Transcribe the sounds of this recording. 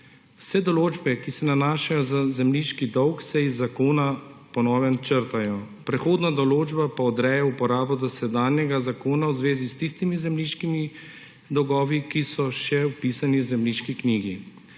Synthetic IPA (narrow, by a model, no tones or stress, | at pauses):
wsɛd̪ɔloːd͡ʒbɛkisɛnanaːʃajɔzazɛmliʃkid̪ɔwksɛizːakoːnapɔnɔːʋɛnt͡ʃəɾt̪ajɔ | pɾɛxoːd̪nad̪ɔloːd͡ʒbapaɔd̪ɾɛjɛupɔɾaːbɔd̪ɔsɛd̪aːnjɛɡazakoːnawzʋeːzist̪ist̪imizɛmliʃkimi | d̪ɔwɡɔːʋikisɔʃɛwpisanizɛmliʃkikniːɡi